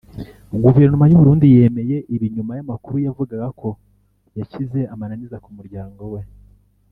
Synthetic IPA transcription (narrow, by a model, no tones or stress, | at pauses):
ɡuve̞ɾnumajuβuɾuːndije̞ːme̞je̞ʔiβiɲumajamakuɾujavuɡaɡako̞ | jacize̞amananizakumuɾɟaːŋɡo̞we̞